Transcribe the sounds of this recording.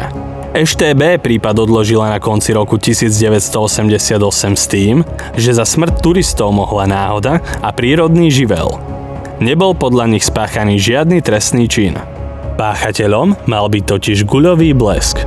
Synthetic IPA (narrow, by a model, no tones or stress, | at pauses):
ɛʃt̪ɛːbɛːpɾiːpad̪ɔd̪lɔʒilanakɔnt͡siɾɔkucisiːd͡zɟɛʋɛcst̪ɔɔsɛmɟɛsɪad̪ɔsɛmst̪iːm | ʒɛzasmr̩tt̪uɾist̪ɔʊmɔɦlanaːɦɔd̪aapɾiːɾɔd̪niːʒiʋɛ̰l | ɲɛbɔlpɔd̪ʎaɲixspaːxaniːʒɪad̪nit̪ɾɛst̪niːt͡ʃin | paːxacɛʎɔmːalbit̪ɔciʒɡuʎɔʋiːblɛsk